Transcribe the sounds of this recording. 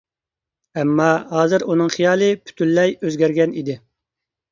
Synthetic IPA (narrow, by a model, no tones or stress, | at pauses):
ɛmːɑɦɑːzɨɾunɨŋχijɑːlˠɨpʰy̥t̪ʰylːɛjøzɡʲɛɾɡʲɛnid̪ɪ